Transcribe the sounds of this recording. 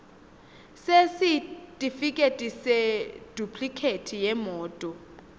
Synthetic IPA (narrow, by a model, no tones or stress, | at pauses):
sesitʼifikʼetʼised̥ʱupʰʼlikʰetʰijɛmɔːtʼɔ